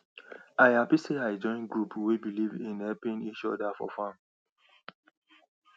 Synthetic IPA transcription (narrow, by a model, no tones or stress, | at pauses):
aɪapiseaɪd͡ʒɔ̃ɪ̃nɡɹupwibilivĩnhɛpĩnit͡ʃɔdafɔ̰fãm